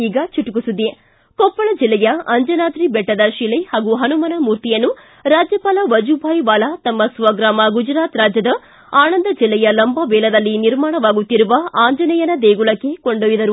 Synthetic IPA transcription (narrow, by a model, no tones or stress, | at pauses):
iːɡɐt͡ʃuʈukusud̪e | kɔpːɐɭɐd͡ʒilːɛjɐɐɲd͡ʒɐnaːd̪ɾibɛʈːɐd̪ɐʃilehaːɡuɦɐnumɐnɐmuːɾt̪ijɐnːu | ɾaːd͡ʒjɐpaːlɐʋɐd͡ʒubʱaːjʋaːlɐt̪ɐmːɐsʋɐɡɾaːmɐɡud͡ʒɐɾaːt̪ɾaːd͡ʒjɐd̪ɐ | aːnɐnd̪ɐd͡ʒilːɛjɐlɐmbɐʋɛːlɐd̪ɐlːiniɾmaːɳɐʋaːɡut̪ːiɾuʋɐʔaːɲd͡ʒɐnɐjɐnɐd̪eːɡuɭɐkːe̞koɳɖoːjid̪ɐɾu